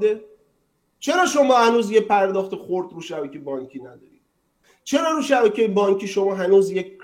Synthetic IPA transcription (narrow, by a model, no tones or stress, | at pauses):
d̪e | t͡ʃʰe̞ɾɒːʃo̞mɒːhænuːzjepʰæɾd̪ɒːxt̪exoɾd̪ɾuːʃæbækʲʰejbɒːŋkʰiːnæd̪ɒ̰ːɾḭːd̪̚ | t͡ʃʰe̞ɾɒːɾuːʃæbæcʰʲejebɒːŋcʰʲiːʃo̞mɒːɦænuːzjek